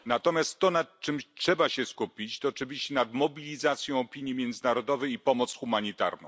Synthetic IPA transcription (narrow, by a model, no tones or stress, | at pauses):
nat̪ɔmʲjast̪ːɔnat̪t͡ʂɘmtʂɛbaɕɛskupʲit͡ɕt̪ɔːt͡ʂɘvʲiɕt͡ɕɛnad̪mɔbʲilʲizat̪sʲjɔ̃w̃ɔpʲiɲjimʲjɛnd̪zɘnaɾɔd̪ɔvɛjipɔmɔt̪sxumaɲit̪a̰ɾnɔ̰̃w̃